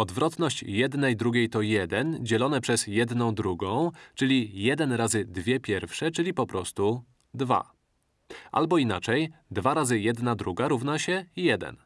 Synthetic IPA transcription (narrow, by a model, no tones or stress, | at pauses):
ɔd̪vɾɔt̪nɔɕt͡ɕjɛd̪nɛjd̪ɾuɡʲejt̪ɔjɛd̪ɛnd͡ʑɛlɔnɛpʂɛzjɛd̪nɔ̃w̃d̪ɾuɡɔ̃w̃t͡ʂɘlʲijɛd̪ɛnɾazɘd̪vʲjɛpʲjɛɾfʂɛt͡ʂɘlʲipɔpɾɔst̪u | d̪va̰ | ʔa̰lbɔinat͡ʂɛj | d̪vaɾazɘjɛd̪nad̪ɾuɡaɾuvnaɕɛjɛd̪ɛ̰n